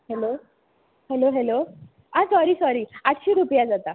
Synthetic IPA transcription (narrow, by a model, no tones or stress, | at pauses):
hɛlo | hɛloɦɛlo | asɔɾiːsɔɾiːatɕiɾupjad͡zat̪a